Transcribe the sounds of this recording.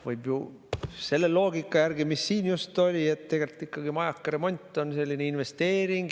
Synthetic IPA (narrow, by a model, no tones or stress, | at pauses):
vɯjb̥ju | se̞lːelo̞ːɡikːˑɑjæɾɡimisːiːnjust̪o̞lʲie̞t̪t̪ːeɡe̞lt̪ikːˑɑɡ̥imɑjɑkːɾe̞mo̞nʲt̪ˑːo̞nse̞lʲːineinve̞st̪e̞ːɾiŋɡ̥